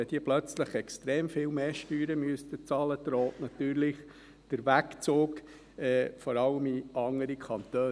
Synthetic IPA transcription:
ɛd̥̪iəplœt͡sləχɛkstɾeːmfɪːlmeːʃtyːɾəmyəst̪ət͡sɑːlədɾɔːtnɑt̪yːɾlɪχ | d̥əɾʋækt͡soːk | ɛːfɔɾɑləmiɑŋəɾikʰɑnt̪øː

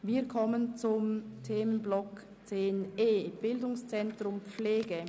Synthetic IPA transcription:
viːɐkʰɔmənt͡sʊmtʰeːmənblɔk | t͡seːneːb̥ɪldʊŋst͡sɛntʁʊmp͡fleːɡə

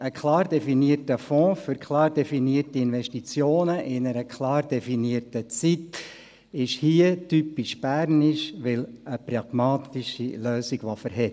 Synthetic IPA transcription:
əkʰlɑːɾdɛfiniərtəfɔ̃ːfʏɾkʰlɑːɾdɛfiniərtiɪnʋɛʃtit͡sjoːnəʔɪnəɾəkʰlɑːɾdɛfiniərtət͡sit | ɪʃhiətypiʃb̥æːɾniʃʋɪləprɑɡ̥mɑːt̪iʃiløːsiɡ̥ʋɑfəɾɦɛ

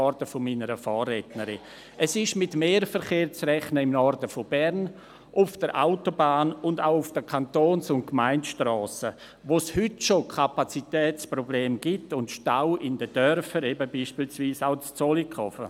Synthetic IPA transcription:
ɔɾdəfominəɾəfaːrːɛtnəɾi | ʔɛsɪʃmɪtmeːɾfəɾχeːɾt͡srɛχnəɪmnɔɾdəfobɛɾn | ʔʊfd̥əɾʔa̰ʊtobaːnʊndaʊʊfd̥əkʰantoːnsʊntkmaɪntʃtɾɔːsə | ʋoshʏtʃokʰapat͡sitɛːt͡sprobleːmɡ̥itʊntʃtaʊɪndəd̥œɾfəɾɛbəbiːʃpiːlsviːsaʊt͡st͡solikʰɔfə̰

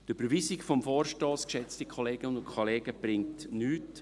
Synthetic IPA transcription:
d̥əb̥əɾʋisikfɔmfoːrʃtoːskʃɛt͡stikʰoleːɡ̥əʊkʰoleːɡ̥əb̥rɪŋtnyːt

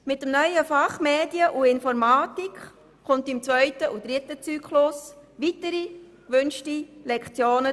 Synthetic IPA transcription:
mɪt̚dəmnœʏəfɑχmeːdiəʔuɪnfɔɾmaːtik | χʊntɪmt͡svœʏtəʔud̥ɾɪtət͡syːkχlʊsʋitəɾi | kʋʏnʃtilɛkχt͡sjoːnə

